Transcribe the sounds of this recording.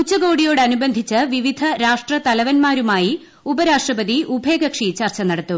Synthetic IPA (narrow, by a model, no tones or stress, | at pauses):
kut͡ɕːɐɡo̞ːɽijo̞ːɽɨɐnubɐnd̪ʱit͡ɕːɐʋiʋid̪ʱɐɾaːʂʈrɐt̪ɐlɐʋɐnmaːɾumaːji | ubɐɾaːʂʈrɐbɐðiʔubʱe̞ːɡɐkʂit͡ɕɐrt͡ɕɐnɐɽɐt̪ːu